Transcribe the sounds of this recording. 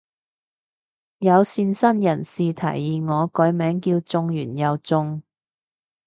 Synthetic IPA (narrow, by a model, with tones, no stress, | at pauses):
jɐ˨˧wsiː˧nsɐ˥njɐ˨˩nsiː˨˧t̪ʰɐ̰˨˩jːiː˨ŋɔː˨˧kɔː˨˥jmɛː˨˥ŋkiː˧wt͡sʊ˧ŋjyː˨˩njɐ˨˧wt͡sʊ˧ŋ